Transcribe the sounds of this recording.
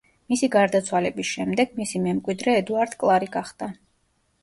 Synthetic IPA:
misiɡaɾd̪at̪sʰwalɛbisʃɛmd̪ɛɡ̥misimɛmkʼwid̪ɾɛːd̪uaɾd̪̥kʼlˠaɾiɡaχd̪̥a

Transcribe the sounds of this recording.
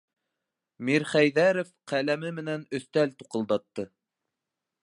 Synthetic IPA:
miɾχæjðæɾofqælæmɘmɘ̆nænɵ̆θt̪ælt̪u̥qɤ̆lˠd̪ɑt̪ːɤ

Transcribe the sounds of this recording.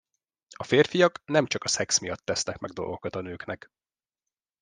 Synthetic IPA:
ɒfeːrfijɒknɛmt͡ʃɒkɒsɛksmijɒt̪ːɛsnɛkmɛɡd̪olʔɡokɒt̪ɒnøːknɛk

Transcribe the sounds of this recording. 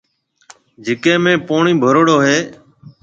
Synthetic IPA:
d͡ʒɪkẽːmẽːpoːɳĩːbʱəɾoːɽoːɦeː

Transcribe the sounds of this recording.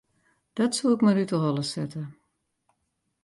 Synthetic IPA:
d̥ɔtsuɪkmaɾytəɦɔlˠəsɛtʰə

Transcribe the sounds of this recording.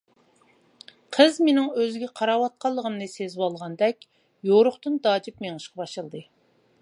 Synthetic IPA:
qʰəzmenɪŋøzɡʲɛqʰɑɾɑwɑt̪̚qɑlˠːəʁəmnɨsezwɑlˠʁɑnd̪ɛkʲ | joɾʊχt̪ɨnd̪ɑːd͡ʒip̚meŋɨʃqɑbɑʃɨlˠd̪ɨ

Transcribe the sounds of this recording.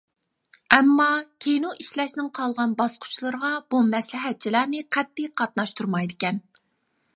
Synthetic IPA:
ɛmːɑkʲʰejnuʔiʃlɛʃnɪŋqʰɑlˠʁɑnbɑsqʰʊ̥t͡ʃʰlˠɨɾʁɑb̥umɛslɪɦɛt̪̚t͡ʃʰilæɾnɪqʰæt̪ːɪqʰɑt̪̚nɑʃt̪ʰuɾmɑjd̪ɪkʲɛn

